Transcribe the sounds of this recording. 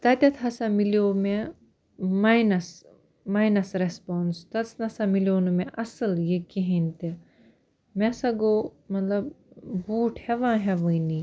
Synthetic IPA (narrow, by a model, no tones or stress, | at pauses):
t̪ɐt̪ʲɐt̪ʰɦɐsamilijoːme | majnɐs | maːjnɐsɾespɔːnst̪ɐt͡snɐsãmiljoːnumẽʔɐsəljekiɦĩnt̪e | mɛsaɡoːmɐt̪lɐb | buːʈʰhɛʋãːɦɛʋəini